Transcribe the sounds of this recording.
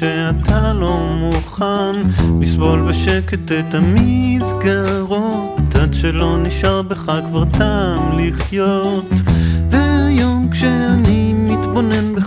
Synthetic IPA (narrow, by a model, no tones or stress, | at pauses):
eatʰalomuχanmɪsvɔlbəʃɛkətɛtamizɡaəʁotʰatʃɛlonɪʃalbəχakvaʁtʰamlɪχjotvɛjokʃeanimɪtbɔnɛnbə